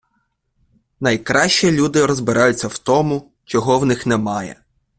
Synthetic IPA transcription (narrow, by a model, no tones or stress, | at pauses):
nɐjkɾɑʃʲt͡ʃilʲud̪ɪɾɔzbɪɾʔɑjʊt͡sʲːɐwt̪ɔmʊ | t͡ʃɔɦɔwnɪxnɛmɑjɛ̰